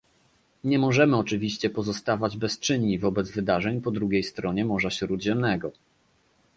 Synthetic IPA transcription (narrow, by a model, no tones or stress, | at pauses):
ɲɛmɔʐɛmɘɔt͡ʂɘvʲiɕt͡ɕɛpɔzɔst̪avad͡ʑbɛst͡ʂɘɲːivɔbɛd̪zvɘd̪aʐɛɲpɔd̪ɾuɡʲejst̪ɾɔɲɛmɔʐaɕɾud̪ʑɛmnɛɡɔ